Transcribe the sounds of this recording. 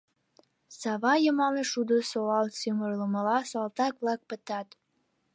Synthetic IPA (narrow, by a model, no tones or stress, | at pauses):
sɑβɑjəmɑneʃud̪osoɑlsømərləməlɑsɑlt̪ɑk̚βlɑk̚pət̪ɑt̪